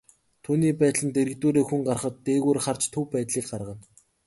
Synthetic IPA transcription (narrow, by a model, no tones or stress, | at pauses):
t̪ʰuːniːpæːt̪ɮə̆nt̪eɾɘ̆k̚t̪uːɾeːxuŋɢarχə̆t̪ːeːɣuːrχart͡ɕt̪ʰɵwpæːt̪ɮiːk̚ɢarʁə̆n